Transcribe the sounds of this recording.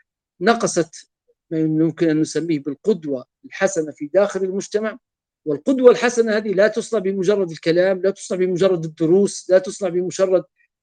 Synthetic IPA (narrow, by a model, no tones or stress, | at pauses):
nɑqɑsˤɑt̪ | majʊjʊmkɪnʔanːʊsamːiːhbɪlqʊd̪wa | lħasanafid̪aːxɪlɪlmʊd͡ʒt̪amaʕ | wɪlqʊd̪walħasanahaːðilat̪ʊsˤnɑʕbɪmʊʒɑrˤːɑd̪ɪlkalaːmlat̪ʊ̥sˤnɑʕbɪmʊʒɑrˤːɑd̪ɪd̪ːʊɾuːslat̪ʊsˤnɑʕbɪmʊʒɑrˤːɑd̪̚